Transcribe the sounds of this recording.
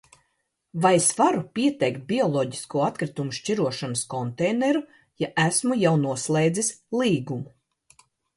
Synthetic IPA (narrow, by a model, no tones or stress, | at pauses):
vajesvaɾupʲiɛt̪ɛjkt̪̚bʲiɔlˠɔɟi̥skuɔat̪kɾit̪umuʃt͡ʃiɾuɔʃanəskɔnt̪ɛjnɛɾu | jaʔæsmujawnuɔslˠejd̪zisʲlˠiːɡumu